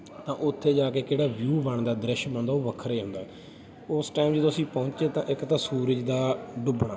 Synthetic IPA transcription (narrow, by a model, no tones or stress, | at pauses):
t̪ãːʔʊt̪ʰːeːd͡ʒaːkeːkeːɽaːʋjuːbəɳd̪aːd̪ɾɪʃbə̃nd̪aːoːʋəkʰɾeːɦʊ̃ːnd̪aː | ʊsʈaːimd͡ʒəd̪osĩːpɔ̃ʊt͡ʃeːt̪ã̰ːʔɪkt̪ãːsuːɾəd͡ʒd̪aːɖʊbɳaː